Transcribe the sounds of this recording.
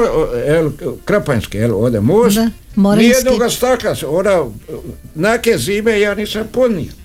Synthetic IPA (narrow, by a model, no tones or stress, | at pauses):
elkɾapanskeeloːd̪emoːsmonijed̪noɡast̪aklasod̪a | nakeziːmejaːniːsampod̪nḭ